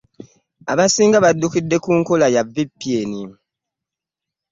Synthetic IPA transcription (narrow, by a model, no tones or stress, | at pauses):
a̰βasiːŋɡaβadːukidːe̞kuːŋkolajavipːieni